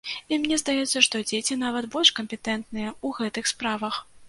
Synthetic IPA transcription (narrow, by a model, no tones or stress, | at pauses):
imnʲɛzd̪ajɛt̪sːɐʂt̪ɔd͡zʲet͡sʲinavɐt̪bɔlʲʂkɐmʲpʲɛt̪ɛnt̪nɨjɛuɣɛt̪ɨxspɾavɐx